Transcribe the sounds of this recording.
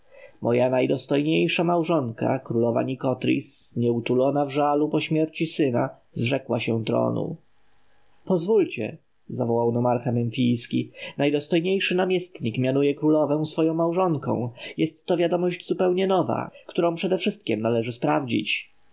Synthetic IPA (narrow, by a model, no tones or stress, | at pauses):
mʔɔjanajd̪ɔst̪ɔjɲejʂamawʐɔŋka̰kɾulɔva̰ɲikɔt̪ɾʲḭsɲɛut̪ulɔnavʐalupɔɕmʲjɛɾt͡ɕisɘna | zʐɛkwaɕɛt̪ɾɔ̰nṵ | pɔzvult͡ɕɛ̰ | zavɔwawnɔmaɾxamɛnfʲijskʲinajd̪ɔst̪ɔjɲejʂɘnamʲjɛst̪ɲikmʲjanujɛkɾulɔvɛ̃w̃sfɔjɔ̃w̃mawʐɔŋkɔ̰̃w̃jɛst̪ːɔvʲjad̪ɔmɔʑd͡ʑzupɛwɲɛnɔva̰kt̪uɾɔ̃w̃pʂɛd̪ɛfʂɘst̪̚kʲɛmnalɛʐɘspɾavd͡ʑḭt͡ɕ